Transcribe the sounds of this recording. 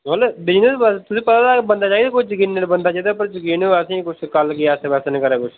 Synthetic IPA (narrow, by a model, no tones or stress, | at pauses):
ɦəlːobɪd͡ʒnəsbəst̪ʊsĩːpət̪aːt̪abənd̪aːt͡ʃaːid̪aːkʊt͡ʃʰd͡ʒəkiːnːeːlbənd̪aːt͡ʃaːid̪aːpəɾd͡ʒəɡiːnəsĩːkʊt͡ʃʰkəlkiaːsebɛsanẽːkəɾɛːkʊt͡ʃʰ